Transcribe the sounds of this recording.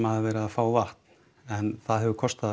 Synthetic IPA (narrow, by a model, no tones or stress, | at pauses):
maðavɛːɾɪaðfaːwvaht̪n̥ | ɛnθaðɦɛvʏkʰɔst̪a